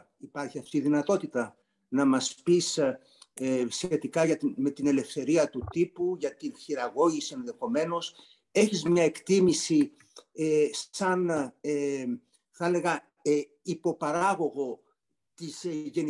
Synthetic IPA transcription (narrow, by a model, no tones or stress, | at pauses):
ipɐɾçiɐft̪iðinɐt̪o̞t̪it̪ɐ | nɐmɐspis | esçe̞t̪ikɐʝɐt̪me̞t̪ine̞le̞fθe̞ɾiɐt̪ut̪ipuʝɐt̪inçiɾɐɣo̞ʝisie̞nðe̞xo̞me̞no̞s | e̞çizmɲɐe̞kt̪imisi | esɐne | θele̞ɣɐ | ipo̞pɐɾɐɣo̞ɣo̞ | t̪isʝe̞ni